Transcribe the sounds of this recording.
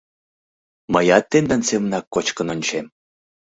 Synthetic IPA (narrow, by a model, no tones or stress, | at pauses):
məjɑt̪ːend̪ansemnɑkːot͡ɕkə̆nonʲt͡ɕem